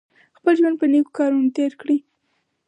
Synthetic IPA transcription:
xpəlʒwand̪̚pəneko̥kɑɾunt̪eɾkɽi

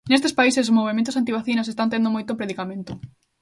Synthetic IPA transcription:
nest̪espaises̬moβ̞emẽnt̪̬ʊsant̪̬iβaθinas̬est̪ant̪end̪omojt̪opɾeðikamẽnt̪o

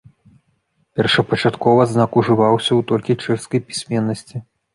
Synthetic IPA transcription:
pʲɛrʂɐpɐt͡ʂat̪kɔvɐznakuʐɨvawsʲɐwt̪ɔlʲkʲit͡ʂɛʂskɐjpʲi̥sʲmʲɛnːɐsʲt͡sʲi

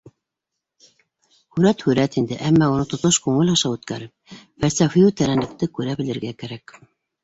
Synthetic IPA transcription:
hʉɾæt̪hʉɾæt̪ind̪ɘʔæmːæunɤt̪ŏt̪oʃkʉŋɘlɑʃɑwʉt̪kæɾɘp̚fælsæfijut̪æɾænɘ̆k̚t̪ɘkʉɾæbɘ̆lɘ̆ɾɡækæɾæk

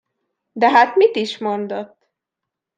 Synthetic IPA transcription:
d̪ɛɦat̪mit̪iʃmo̞nd̪ot̪ː

